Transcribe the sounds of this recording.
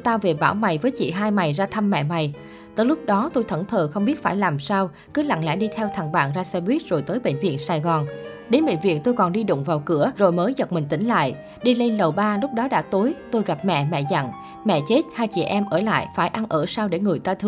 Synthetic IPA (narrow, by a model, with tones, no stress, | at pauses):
t̪aː˧wve˨˩ɓaː˧˩wma˨˩jvəː˨˦jt͡ɕḭ˧˨ɦaː˧jma˨˩jzaː˧t̪ʰə˧mːɛ̰˧˨ma˨˩j | t̪ɨː˧˨lʊ˦˥k͡p̚ɗɔ˨˦t̪o˧jt̪ʰə˧˩nt̪ʰəː˨˩xə˧wŋ͡mɓi˦˥t̚faː˧˩jlaː˨˩msaː˧w | kɨ˨˦la̰˧˨ŋla̰˧˥ɗi˧t̪ʰɛ˧wt̪ʰa˨˩ŋɓa̰ː˧˩nzaː˧sɛ˧ɓwi˦˥t̚zo˨˩jt̪əː˨˦jɓḛ˧˨ŋ̟vḭ˧˨ənsaː˧˩jɣɔ˨˩nɗe˨˦nɓḛ˧˨ŋ̟vḭ˧˨ənt̪o˧jkɔ˨˩nɗi˧ɗʊ̰˧˨ŋ͡mvaː˨˩wkɨ˧˩əzo˨˩jməː˨˦jzə˨˩t̚mï˨˩ŋ̟t̪ï˧˥˦ŋ̟la̰ː˧˨j | ɗi˧le˧nlə˨˩wɓaː˧lʊ˦˥k͡p̚ɗɔ˨˦ɗa̰ː˧˥t̪o˨˦jt̪o˧jɣa˨˩p̚mɛ̰˧˨mɛ̰˧˨za̰˧˩˨ŋ | mɛ̰˧˨t͡ɕe˦˥t̚haː˧jt͡ɕḭ˧˩ʔɛ˧mʔəː˧˩la̰ː˧˨jfaː˧˩jʔa˧nʔəː˧˩saː˧wɗe˧˩ŋɨ˨˩əjt̪aː˧t̪ʰɨ˧